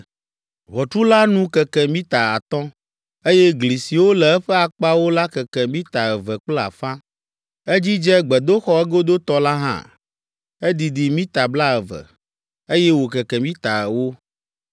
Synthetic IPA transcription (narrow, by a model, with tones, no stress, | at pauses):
βɔ˨t͡ʃu˦la˦nũ˦kɛ˨kɛ˨mĩ˦t̪a˨a̰˨t̪ɔ̃˦ | e˦jɛ˦ɡli˨si˨wo˦lɛ˨ɛ˦ɸɛ˦a˨k͡pa˦wo˦la˦kɛ˨kɛ˨mĩ˦t̪a˨ɛ˨vɛ˨k͡pla̰˨fã˦ | ɛ˦d͡ʑi˦d͡ʒɛ˦ɡ͡bɛ˨d̪o˦xɔ˦ɛ˦ɡo˦d̪o˦t̪ɔ˦la˦ɦã̰˦˨ | ɛ˦d̪i˨d̪i˨mĩ˦t̪a˨bla˦ɛ˨vɛ̰˨ | e˦jɛ˦wo˨kɛ˨kɛ˨mĩ˦t̪a˨ɛ˨wo˦